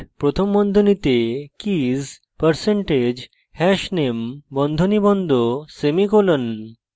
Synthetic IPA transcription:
pɾot̪ʰombɔnd̪ʱonit̪ekiz | pəɾseɳʈed͡ʑ | hɛʃnembɔnd̪ʱonibɔnd̪ʱosemikolən

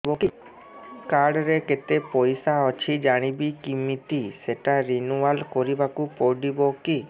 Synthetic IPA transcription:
oki | kaɽɾeket̪epɔjsaɔt͡ʃʰid͡ʒaɽ̃ibikimit̪iseʈaɾinualkɔɾibakupɔɖiboki

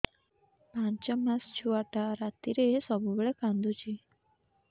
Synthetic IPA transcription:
pãɲt͡ʃəmãst͡ʃʰuaʈaɾat̪iɾeesɔbubɭekãnd̪ut͡ʃʰe

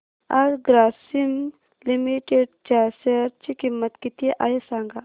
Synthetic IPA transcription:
aɾɡɾaːsim | limiʈeɖ̚t͡ʃaːsɐɾt͡ʃikimːɐt̪kit̪ijeʔajesaːŋɡa

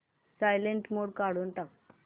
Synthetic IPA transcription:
sajleɳʈmoɽkaɽuːnʈak̚

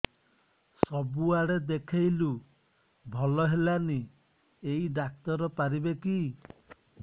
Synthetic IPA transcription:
sɔbuaɽed̪ekʰajlu | bʱɔlɔɦelani | eiɖak̚t̪ɔɾɔpaɾibeki

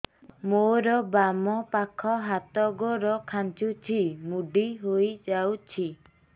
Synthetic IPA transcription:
moɾɔbamɔpakʰɔɦat̪ɔɡɔɾɔkʰant͡ʃut͡ʃʰimuɖiɦojd͡ʒawt͡ʃʰi

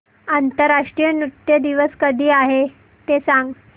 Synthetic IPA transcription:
ant̪əɾaʂʈɾijənut̪jəd̪iʋəskəd̪ʱiːaɦe | t̪esãŋɡ

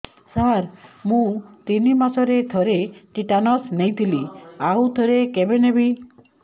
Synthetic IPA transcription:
saɾmũt̪inimasɔɾed̪ʰʱɔɾeʈiʈanɔsnejt̪ʰiliaud̪ʱɔɾekebenebi

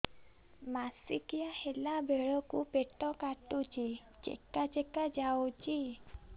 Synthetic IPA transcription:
masikijahelabʱeɭɔkupeʈɔkaʈut͡ʃi | t͡ʃḛkat͡ʃekad͡ʒawt͡ʃi

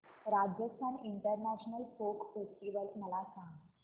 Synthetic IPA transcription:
ɾad͡ʑjəst̪ʰaniɳʈəɾnæɕnəlfokfesʈiʋəlməlasãŋ

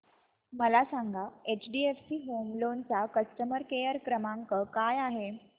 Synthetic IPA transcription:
məlasaŋɡʱaet͡ɕɖiefsiːɦomlont͡sakəsʈəməɾkejəɾkɾəmaŋkəkajaɦe

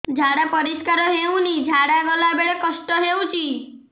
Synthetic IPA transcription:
d͡ʒʱaɽapəɾiskaɾɔɦew̃nid͡ʒʱaɽaɡɔlabeɭekəʃʈɔɦewũt͡ʃʰi

